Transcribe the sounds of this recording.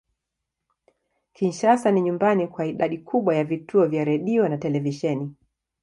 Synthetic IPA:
kinʃasaniɲumbanikwaiɗaɗikʰuɓwajavituɔvjaɾɛɗiɔnatɛlɛviʃɛni

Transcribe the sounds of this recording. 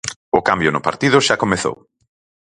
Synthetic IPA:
ʊkambjʊnʊpa̰ɾt̪iðʊʃakomeθo̰w

